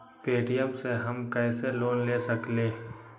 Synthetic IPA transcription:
peːʈijəmseɦɐmkɛːseloːnleːsɐkleː

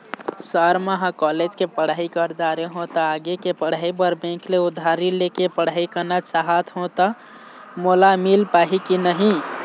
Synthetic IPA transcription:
səɾməɦãkɔled͡ʒkepəɽ̤aikəɾd̪aɾeɦõt̪əaɡekepəɽ̤aibəɾbẽkleud̪ʱːaɾilekepəɽ̤aikənat͡ʃaɦat̪ʰɦõt̪ə | molamilpaɦikinəɦĩ

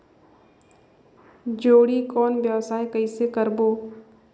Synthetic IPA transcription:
d͡ʒoːɽikɔːnbjəʋsaːekəisekəɾboː

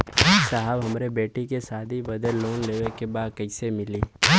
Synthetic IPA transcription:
saɦəbɦɐmɾebeːʈikesaːd̪ʱibɐd̪əɾloːnleːʋekebaːd̪̚kɐɪsemɪliː

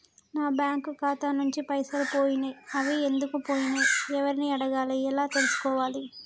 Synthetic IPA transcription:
naːbjaːŋkukaːt̪anuɲt͡ʃipɐjsɐɾupo̞ːjinɐɐʋiend̪ukupoːjinɐɛʋɐɾiniɐɽɐɡaːliɛlaːt̪e̞lusu̥kɔːʋaːli

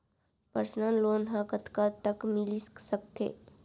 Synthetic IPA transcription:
pəɾsnanloːnɦãkət̪kat̪əkmɪlissək̚t̪ḛː

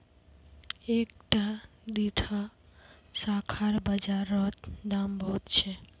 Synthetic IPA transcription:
ek̚ʈa | d̪iʈʰa | sakʰaɾbəd͡ʒaɾːɔt̪d̪ambɔɦt̪t͡ʃʰe

